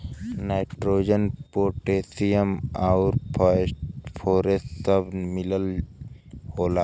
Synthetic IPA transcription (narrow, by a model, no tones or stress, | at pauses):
naɪʈɾoːd͡ʒənpoːʈeːsijəmaʊɾ | pʰoːɾesʈsəbmɪləl | hoːlaː